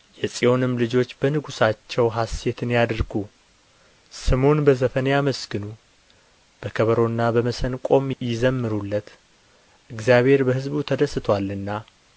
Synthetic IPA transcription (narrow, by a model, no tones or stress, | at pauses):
jɛsʼiwo̞nɨmːlɨd͡ʒo̞t͡ʃːbənɨɡusat͡ʃːɛwɦase̞t̪ʰɨnjad̪ɾɡu | sɨmo̞nbəzəfənjaməsɡɨnu | b̥əkʰəβəɾo̞nːabəməsənkʼo̞mjɪzəmːɨɾulːət̪ | ʔɨɡzijaβhe̞ɾbəɦɨzbut̪ʰəd̪əsɨt̪ʰwalːɨnːa